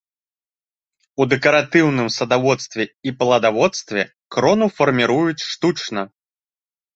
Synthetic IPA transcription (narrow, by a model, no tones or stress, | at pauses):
ud̪ɛkɐɾat̪ɨwnɨmsɐd̪avɔt̪st̪vʲɛipɐlˠɐd̪avɔt̪st̪vʲɛ̰ | kɾɔnufɐrmʲiɾujut͡sʲʂt̪ut͡ʂnɐ